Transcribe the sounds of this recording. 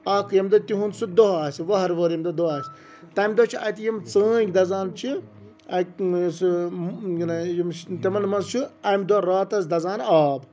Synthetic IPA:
ɐːkʰjɐmd̪ɔt̪iɦunsud̪oɦaːsʲiʋɐɦɐɾʋoːɾjɐmd̪od̪oaːsʲ | t̪ɐmʲd̪ot͡ʃʰiɐ̰t̪ijimt͡səːɡʲd̪ɐzaːnt͡ʃʰi | ɐks | nɐjimt̪emɐnmɐnzt͡ʃʰuɐmʲd̪oɾaːt̪ɐsd̪ɐzaːnaːb

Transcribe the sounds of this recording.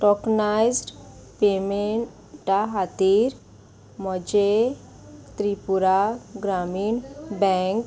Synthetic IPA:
ʈɔknajzɖpemeɳ | ʈaɦat̪iːɾ | mɔd͡ʑe | t̪ɾipuɾaɡɾamiːɳbɛ̃ŋk

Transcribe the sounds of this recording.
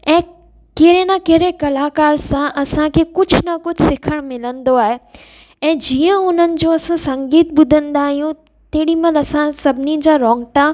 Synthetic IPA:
ɛ̃ː | keɦɾenakeɦɾekɐlaːkaːɾsãʔɐsãkʰekʊd͡ʑʱnɐkʊd͡ʑʱsɪkʰəɽ̃mɪlə̃nd̪oaːɦe | ɛ̃ːd͡ʑiːə̃ʊn̤ənɪ̆d͡ʑoːɐsãsɐ̃ŋɡiːt̪̚ɓʊd̪ʱə̃nd̪aːɦijũ | t̪eːɽimɐnɐsãsɐbʱɪnid͡ʑaːɾɔːŋɡʈa

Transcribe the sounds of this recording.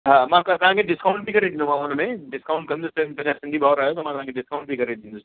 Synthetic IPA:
ɦãmãkt̪ɐɦãkeɖɪskaʊ̃ɳʈ̚bʱikɐɾẽd̪ĩnd̪umãfoːnmẽɖɪskaʊɳʈkɐnd̪ʊst̪et̪ɐãsɪ̃nd̪ʱibaːɾaːjot̪omãt̪ɐɦãŋkeɖɪskaʊ̃ɳʈ̚bʱikɐɾẽd̪ĩnʊs

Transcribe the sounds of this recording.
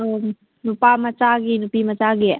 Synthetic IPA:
nupamat͡ʃaɡinupimat͡ʃaɡi

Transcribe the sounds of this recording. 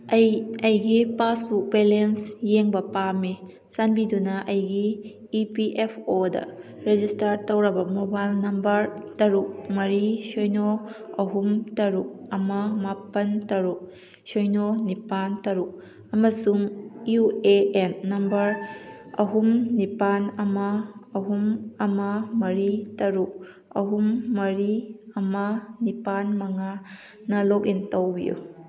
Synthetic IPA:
ɐjɐjɡipasbuk̚belensjeŋbɐpame | sanbidunɐʔɐjɡiː | piʔepʰodɐ̰ | ɾed͡ʒistaɾtɐwɾɐbɐmobajlnɐmbɐɾtɐɾuk̚mɐɾisojnoɐɦumtɐɾuk̚ɐmɐmapɐntɐɾuk̚ | sojnonipantɐɾuk̚ | ɐmɐsuŋueenːɐmbɐɾ | ɐɦumnipanɐmɐːɦumɐmɐmɐɾitɐɾuk̚ | ɐɦumːɐɾiɐmɐnipanmɐŋa | nɐlok̬intɐwbḭjṵ

